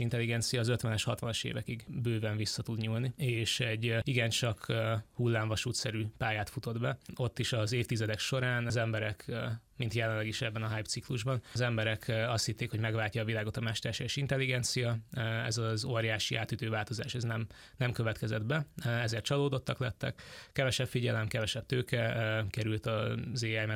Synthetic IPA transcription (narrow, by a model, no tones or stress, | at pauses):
int̪ɛlːiɡɛnt̪sijɒːzø̞t̪vʋɛnɛʃhɒt̪ʋɒnɒʃḛːvɛkiɡbøːvɛɱvisːɒt̪ud̪ɲuːlnieːʃɛɟːiɡɛnt͡ʃɒkhulːaːɱvɒʃuːt̪sɛɾypaːjaːt̪fut̪o̞d̪bɛo̞t̪ːiʃɒzeːft̪izɛd̪ɛkʃo̞ɾaːnzɛmbɛɾɛkmint̪jɛlɛlɛɡiʃɛbːɛnɒɦajpt̪sikluʒbɒnzɛmbɛɾɛkʰɒst̪hit̪ːeːkho̞ɟmɛɡvaːlcːɒːvilaːɡo̞t̪ɒmɛʃt̪ɛrʃeʃint̪ɛlːiɡɛnt̪sijɒɛ̰zɒzoːrjaːʃiʔa̰ːt̪yt̪øːvaːlt̪o̞zaːʃɛznɛm | nɛmkø̞vɛt̪kɛzɛd̪bɛɛzeːrt̪t͡ʃɒloːd̪o̞t̪ːɒklɛt̪ːɛ̰kkɛvɛʃɛpfiɟɛlɛmkɛvɛʃɛb̚t̪øːkʰɛkɛɾylt̪ɒzeːɛjmɛ